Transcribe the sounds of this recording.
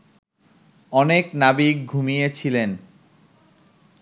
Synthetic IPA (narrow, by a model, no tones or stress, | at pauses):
ɔneknabik̚ɡʱumijet͡ɕʰilen